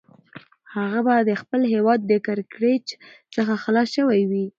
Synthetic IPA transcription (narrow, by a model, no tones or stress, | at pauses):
haɣabad̪əxpəlɦewɑd̪ːəkaɾkɾet͡ʃsəxaxalɑsʃəwajwi